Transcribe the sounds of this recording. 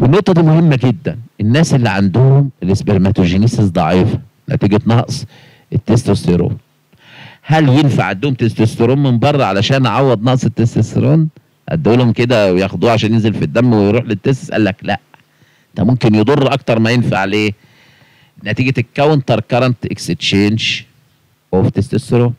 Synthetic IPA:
wenːoʔt̪ˤːɑd̪iːmohemːæɡed̪ːænʔenːæːsʔelːiʕa̰nd̪ohomelesbeɾmæt̪oʒiniːsesd̪ˤɑʕiːfɑ̥ | næ̰t̪iːɡæt̪nɑʔsˤ | et̪ːest̪ost̪eɾo̰ːn | hæljenfaʕand̪ohomt̪est̪ost̪eɾoːmmembɑrˤːɑʕalæʃæːnʕawːæd̪ˤnɑʔsˤet̪ːest̪est̪eɾoːn | ʔæ̰d̪ːæʔelhomked̪æwejæxod̪uːʕaʃ̬æːnjenzelfid̪ːæmːwejɾuːħlet̪ːes̬t̪esʔæ̰lːæklæ̰ʔ | t̪æmomkenjed̪ˤorːʔɑkt̪ɑɾˤmæjenfa̰ʕleː | næt̪iːɡæt̪ekːæwːent̪ˤɑɾˤkɑɾˤɑnt̪ʔekset̪t͡ʃeːnʒ | ʔæft̪est̪est̪eɾo

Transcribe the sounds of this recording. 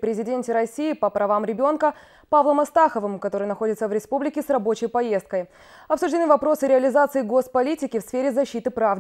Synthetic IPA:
pɾʲɪzʲɪdʲenʲtʲɪɾɐsʲijɪpəpɾɐvamɾʲɪbʲo̞nkə | pavlˠəmɐst̪axəvɨmkɐt̪o̞ɾɨjnɐxo̞dʲɪt̪səvɾʲɪspublʲɪkʲɪsrɐbo̞t͡ɕɪjpɐje̞st̪̚kəj | ɐpsʊʐdʲɪnɨvɐpɾo̞sɨɾʲɪɐlʲɪzat̪sɨɪɡo̞spɐlʲitʲɪkʲɪfsfʲeɾʲɪzɐɕːit̪ɨpɾav

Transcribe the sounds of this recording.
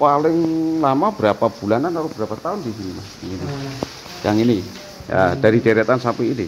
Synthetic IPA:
palɪŋlamabəɾapab̥ulananaɾub̥əɾapat̪aʊndiɦinmajaŋini | ja̰ŋini | ja̰d̥aɾideɾet̪ansapuːnḭ

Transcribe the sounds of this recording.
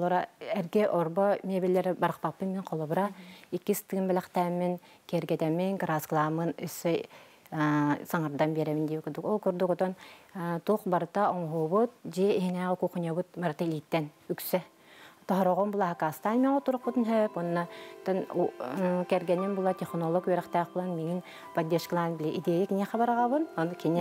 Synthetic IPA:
ɔlˠuɾaɛɾɡɛʔɔɾbɔmʲiɛbilʲːɛɾɛbaɾɯqpapːɯmmːiŋqʰɔlˠɔbɾaikːist̪ːɯɡɯnbɛlɛχt̪æːmːin | kiɾɡɛt̪ɛmiŋkɾasklˠaːmɯnœsːɛj | saŋaɾd̪anbiɛɾɛmind̪iːkɯɾd̪ukɔlˠkuɾd̪ukɔt̪ɔnt̪uqbaɾɯt̪aɔŋɦuːbut̪̚d͡ʒiiɦinæːʁɛkuχunʲɔβɯt̪̚baɾɯt̪alʲit̪ːɛnyksɛ | t̪ɔɦɾɔʁɔmbulˠaɦakaːst̪aːnmʲiɔt̪uɾuq̚but̪ɨnɦøpɔnːat̪ɔnukɛɾɡɛninbulˠat̪ʲiχnɔlˠɔkjɛɾɛχt̪æːχbulˠanmiŋin | pɐd̪ʲːeʃklˠaːnbilʲɛʔid̪eːlʲiknʲɛχabaɾʁabɯnɔnkʲinʲɛ

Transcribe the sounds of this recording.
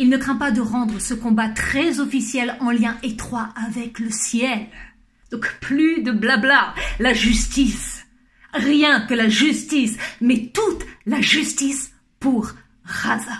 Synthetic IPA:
ilnəkχɛ̃pad̪əʁɑ̃d̪ʁəsəkɔ̃bat̪χɛzɔfisjɛlɑ̃ljɛ̃ʔet̪χwaʔavɛkləsjɛl | d̪̥ɔ̃kplyd̪əblablalaʒyst̪is | ʁjɛ̃kəlaʒyst̪ismɛt̪ut̪laʒyst̪is | puʁː | aza

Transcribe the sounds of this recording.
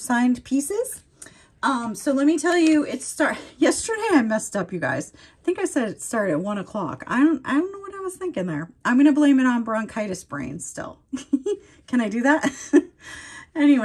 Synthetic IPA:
sãɪ̃npʰisɪz̥ | ʔʌ̃msoʊlɛt̚mitʰɛlˠjɨɪtstɑɹjɛstə˞ɾeɪaɪmɛstʌpjɨɡa̰ɪz̥ | aɪθɪ̃ŋkaɪsɛɾstɑɹɾɨɾɨt̚wʌ̃ñəkʰl̥ɑ̰kaɪɾõʊ̃na̰ɪdɾõʊ̃nːoʊwʌɾaɪwʌz̥θɪ̃ŋkɨ̃ŋðə̰˞ʔãɪ̃mɡʌñɨblẽɪ̃mɨ̃ɾn̩bɹɑ̃nkʰaɪɾɨsb̥ɹḛ̃ɪ̃n̥stɪ̰lˠ | kʰɨ̃ɾ̃aɪdɨðæt̚ | ɛniwe

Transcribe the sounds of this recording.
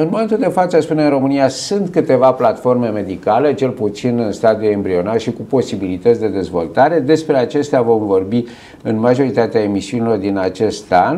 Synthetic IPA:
ɨnmomet̪uld̪e̞fat̪səspuneɨnro̞mɨnijasunt̪kɨt̪e̞vaplat̪fo̞rme̞me̞d̪ikale̞t͡ʃe̞lput̪sinɨnst̪ad̪iue̞mbɾio̞naʃikupo̞sibilit̪ət̪sʲd̪e̞d̪e̞zvo̞̰lt̪aɾe̞d̪e̞spɾe̞at͡ʃe̞st̪eavo̞mvo̞rbi | ɨnmaʒo̞ɾit̪at̪eae̞misiunilo̞rd̪inat͡ʃe̞st̪an

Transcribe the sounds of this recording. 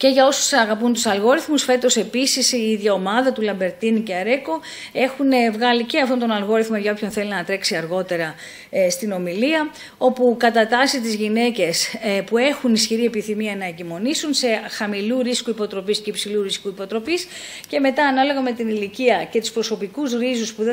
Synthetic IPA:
ce̞ʝɐo̞su̥sɐɣɐpunt̪usɐlɣo̞ɾiθmusfe̞t̪o̞se̞pisisiiðʝɐo̞mɐðɐt̪ulɐmbe̞ɾt̪inuceɐɾe̞ko̞ | e̞xunevɣɐlice̞ɐft̪ont̪o̞nɐlɣo̞ɾiθmoʝɐo̞pʰço̞nθe̞linɐt̪ɾe̞ksiɐɾɣo̞t̪e̞ɾɐ | st̪ino̞miliɐ | o̞pukɐt̪ɐt̪ɐsit̪izʝine̞ce̞spue̞xunisçiɾie̞piθimiɐnɐecimo̞nisunse̞xɐmiluɾiskuipo̞t̪ɾo̞pisceipsiluɾiskuipot̪ɾo̞pis | ce̞me̞t̪ɐːnɐlo̞ɣɐme̞t̪iniliciɐce̞t̪u̥spɾo̞so̞pikuzɾizuspuðe

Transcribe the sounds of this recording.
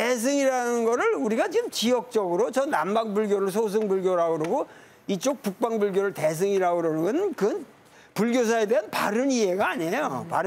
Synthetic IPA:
tes̬ʰɯŋiɾanɯnɡʌɾɯɭuɾiɡat͡ɕiɡɯmt͡ɕiʌk̚t͡ɕ͈ʌɡɯɾot͡ɕʌnambaŋbuɭɡjoɾɯɭs̬ʰos̬ʰɯŋbuɭɡjoɾaɡoɾoɡo | it͡ɕ͈ok̚p͈uk̚p͈aŋbuɭɡjoɾɯɭte̞s̬ʰɯŋiɾaɡɯɾʌnɯŋɡʌnɯnkɯn | puɭɡjos̬ʰae̞de̞ɦanpa̰ɾɯnie̞ɡaːɲejopa̰ɾɯ

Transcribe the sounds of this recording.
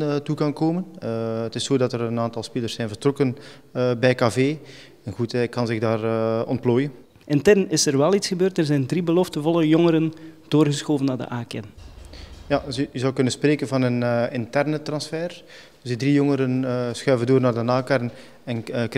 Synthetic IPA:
tukɑnkoːmənətɪsːoːdɑtəɾənaːntɑlˠspelərsɛjnvərtrɔkənː | bɛjkafeː | ɛnɣutɛkɑnzɪɣdaːrɔ̰nt̚ploːjən | ʔɛntɛnɪsərʋɛlˠitsxəbøːrtərzɛjndribəlɔftənvɔləjɔŋəɾənd̥oːrɣəsxoːvənːaːrdə̰ʔaːkɛ̰n | jayzɑwkɵnənspreːkənvɑnənɪntɛrnətrɑnsfɛːr | zdidrijɔŋəɾənːsxœɥvəndoːrnaːrdənaːkaɾən | ɛnk

